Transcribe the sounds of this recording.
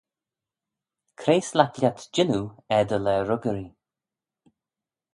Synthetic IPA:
kʰɾeːslaklʲat̪d͡ʒɪnuɛd̪əlɛɾʊɡəɾi

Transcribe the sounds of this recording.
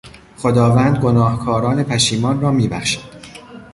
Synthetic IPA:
χo̞d̪ɒːvæːnd̪̚ɡo̞nɒːhkʰɒːɾɒːne̞pʰæʃiːmɒːnrɒːmiːbæχʃæ̥d̪̥

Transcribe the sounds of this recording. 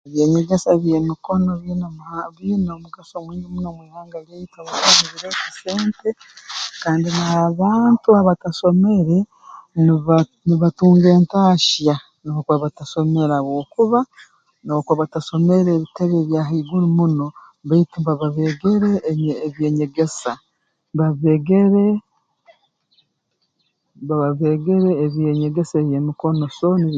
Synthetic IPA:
eβjeːɲeɡesaβjeːmiko̞no̞βiːnoβiːnomuɡasomwiːɲɡimunomwiːhaːŋɡaleitaβokamiβiɾekise̞ːnte | kaːndinaβaːntuaβataʃo̞me̞ɾe̞ | niβatuːŋɡe̞ːntaːʃja | nookwaβataso̞me̞ɾaβwoːkuβa | nokwoβataso̞me̞ɾeːβitaβeːβjaːɦaiɡuɾumuno̞ | βaitimbaβaβeɡe̞ɾeːβjeːɲe̞ɡe̞sa | βaβeɡeɾe | βaβaβeɡe̞ɾeːβjeɲe̞ɡesejemiko̞no̞soni

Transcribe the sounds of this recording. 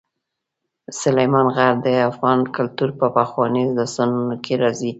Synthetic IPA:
sʊlajmɑnɣaɾd̪əafɣɑnkʊlt̪uɾpəpaxwɑnizləsanunokʰeɾɑzi

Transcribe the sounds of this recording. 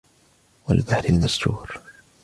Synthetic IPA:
wa̰lbaħɾalmasɾṵːɾ

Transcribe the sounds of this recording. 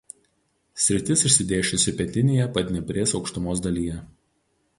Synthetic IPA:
sʲɾʲɪt̪ʲɪsɪʃʲsʲɪd̪ʲeːʃʲʊsʲɪpʲɛt̪ʲɪnʲeːjɛpɐd̪ʲnʲɛbʲɾʲeːsɒʊkʃt̪ʊmoːs̬d̪ɐlʲiːjɛ

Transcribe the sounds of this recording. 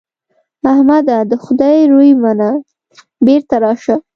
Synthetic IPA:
ahmad̪ad̪əxʊd̪ɑjɾujmana | beɾt̪aɾɑʃa

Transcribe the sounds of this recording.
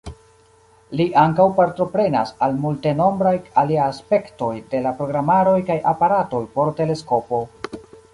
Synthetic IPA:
liʔaŋkawpaɾtɾo̞pɾe̞na̰salmulte̞no̞mbɾajaliaaspe̞kto̞jde̞lapɾo̞ɡɾamaɾo̞jkajʔapaɾato̞jpo̞ɾte̞le̞sko̞po̞

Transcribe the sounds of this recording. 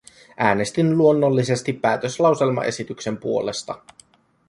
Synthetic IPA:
ʔæːne̞st̪inluo̞nːolːise̞st̪ipːæːt̪øslɑwse̞lmɑ̰ʔe̞sit̪ykse̞mpuo̞le̞st̪ɑ̰

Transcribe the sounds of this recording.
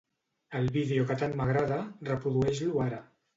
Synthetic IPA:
əlˠβiðeokət̪anməɣɾaðərəpɾuðuɛʒluaɾə

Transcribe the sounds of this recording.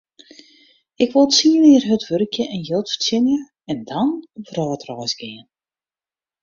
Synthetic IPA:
ɪkʋolˠt͡siːənɪːərɦətʋørkʰjəʔɛnjølˠtfsɪnjə | ɛndɔnvrɔːtrɔjzɡɪən

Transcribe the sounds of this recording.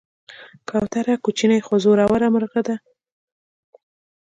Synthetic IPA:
kawt̪aɾakut͡ʃinajxozoɾawaɾamaɾɣad̪a

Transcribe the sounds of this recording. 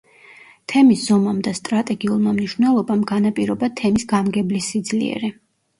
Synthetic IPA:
t̪ʰɛmisz̥ɔmamd̪ast̪ʼɾat̪ʼɛɡiulˠmamniʃvnɛlˠɔbamɡanapʼiɾɔbat̪ʰɛmisɡamɡɛblisid̪zliɛ̰ɾɛ

